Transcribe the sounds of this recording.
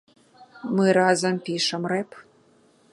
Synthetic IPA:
mɨɾazɐmpʲiʂəmrep

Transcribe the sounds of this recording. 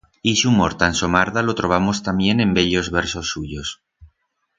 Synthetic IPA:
isumo̞ɾt̪anso̞maɾðalo̞t̪ɾo̞βamo̞st̪amje̞nẽ̞mbe̞ʎo̞zβeɾsosːuʎos

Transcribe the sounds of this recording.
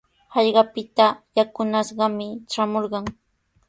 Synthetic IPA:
hɑʎɢɑpɪt̪ajakʊnaʃɢɑmɪʈ͡ʂamoɾɢɑŋ

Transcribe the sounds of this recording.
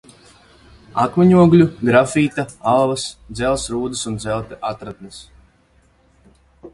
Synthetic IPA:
akmaɲuɔɡlʲuɡɾafiːt̪aalˠvasd̪zɛlˠsɾuːd̪ɨsund̪zɛlt̪ʔat̪ɾat̪̚nis

